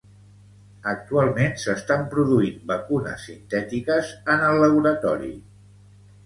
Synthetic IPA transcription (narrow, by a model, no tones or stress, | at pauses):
ək̚t̪ualˠmensəst̪ampɾuðuimbəkunə̰sːint̪ɛt̪ikəzənəlːəβuɾət̪ɔɾḭ